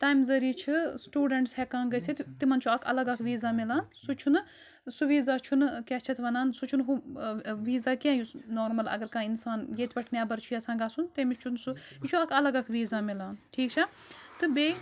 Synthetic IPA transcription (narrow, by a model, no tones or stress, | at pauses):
t̪aːjmzɐɾiːt͡ʃʰɨsʈuːɖɐɳʈshɛkãːnɡɐsit̪t̪imɐnt͡ʃʰuɐkʰɐ̰lɐɡɐkʰʋiːzaːmilaːnsut͡ʃʰun | suʋiːzaːt͡ʃʰunkɛt͡ʃʰɐt̪ʰʋɐnaːnsut͡ʃʰunɦuʋiːzaːkẽːjusnoːɾmɐlɐ̰ɡɐɾkãːinsaːnjeːt̪ʲpɐʈʰnʲjaːbɐɾt͡ʃʰujasãːɡasunt̪emit͡ʃʰunsuit͡ʃʰuɐkʰɐlɐɡɐkʰʋiːzaːmilaːnʈʰiːkt͡ʃʰɐ | t̪ɨbeː